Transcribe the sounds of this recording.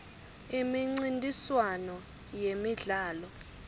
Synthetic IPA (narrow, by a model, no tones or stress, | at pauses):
imiŋ͡ǀintʼiswanɔ | jemiɮaːlɔ